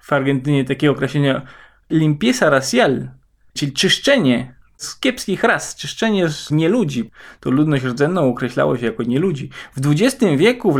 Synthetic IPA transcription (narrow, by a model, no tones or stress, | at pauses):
faɾɡɛnt̪ɘɲɛt̪akʲɛɡɔkɾɛɕlʲɛɲa | lʲimpʲjɛsaɾasʲjal | t͡ʂɘlʲit͡ʂɨʂt͡ʂɛɲɛ | skʲɛpskʲixɾast͡ʂɘʂt͡ʂɛɲɛzɲɛlud͡ʑit̪ɔlud̪nɔɕ̬ɾɔd̪zɛnːɔ̃w̃ɔkɾɛɕla̰wɔ̰ɕɛjakɔɲɛlud͡ʑivd̪vud͡ʑɛst̪ɘmvʲjɛkuv